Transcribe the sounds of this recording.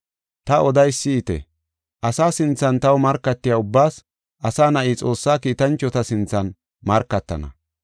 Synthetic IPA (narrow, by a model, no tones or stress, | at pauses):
t̪ɐɔd̪ɐjsːɪːt̪ɛ̰ | ʔɐsaːsɪnt͡sːɐnt̪ɐwmɐɾkːɐt̪ːɪjaːʊbːaːs | ʔɐsaːnɐʔiːt͡sʼo̞ːsːaːkiːt̪ɐnt͡ʃːɔt̪ɐsɪnt͡sːɐn | mɐɾkːɐt̪ːɐ̰nɐ̰